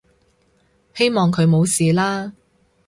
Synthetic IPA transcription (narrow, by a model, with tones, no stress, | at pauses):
he˥jmɔː˨ŋkʰɵ˨˧ɥmo˨˧wsiː˨laː˥